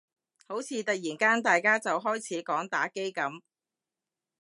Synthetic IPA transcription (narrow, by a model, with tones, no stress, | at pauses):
ho˨˥wt͡sʰiː˨t̪ɐ˨k̚jiː˨˩nkaː˥nt̪aː˨jkaː˥t͡sɐ˨wɦɔː˥jt͡sʰiː˨˥kɔː˨˥ŋt̪aː˨˥ke˥jkɐ˨˥m